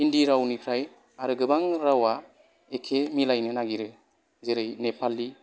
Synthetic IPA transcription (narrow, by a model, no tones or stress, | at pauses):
indiɾawnikʰɾaj | aɾɯɡɯbaŋɾawa | ekʰemilajnɯnaɡiɾɯ | zeɾɯjnepʰalːi